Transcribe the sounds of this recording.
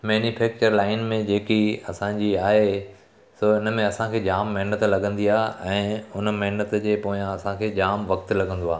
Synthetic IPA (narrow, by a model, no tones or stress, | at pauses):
mɛːnufɛːk̚t͡ɕəɾlaːɪnmẽd͡ʑeːkiɐsãd͡ʑiaːɦe | soɪn̆mẽɐsãkʰeːd͡ʑaːmːɐɦnət̪lɐɡʱə̃nd̪iaːɛ̃ːʊnmɐɦɪnət̪d͡ʑeːpoːjãɐsãkʰeːd͡ʑaːmʋɐkt̪lɐɡʱə̃nd̪oaː